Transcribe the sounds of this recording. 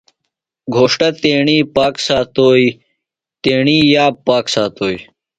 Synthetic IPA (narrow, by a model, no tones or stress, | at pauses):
ɡʱoːʂʈɐt̪eːɳiːpaːksaːt̪oːi | t̪eːɳiːjaːpaːksaːt̪oːi